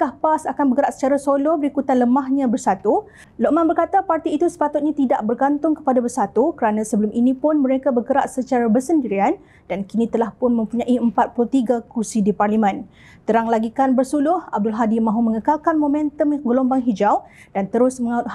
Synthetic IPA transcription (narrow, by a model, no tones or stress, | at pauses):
kahpasakanbəkəɾaʔsə̥t͡ʃaɾasolobəɾikut̪anləmaɦɲãbərsat̪u | loʔmãnbərkat̪apart̪iːt̪usə̥pat̪ʊt̪̚ɲãt̪idaʔbərɡant̪ʊŋkə̥padabərsat̪ukəɾanãsəbəlʊmʔinĩpʊnmə̃ɾekabərkəɾaʔsət͡ʃaɾabərsəndiɾian | d̥ankinĩt̪əlahpʊnmə̃mpuɲãʔiəmpat̪̚pulut̪iɡakursidiparlimɛ̃n | t̪əɾaŋlaɡikanbərsulʊhab̚dʊlɦadimãɦumə̃ŋəkalkanmomɛ̃nt̪əmɡəlombaŋɦid͡ʒaw | d̥ant̪əɾʊsməŋaʊt̪h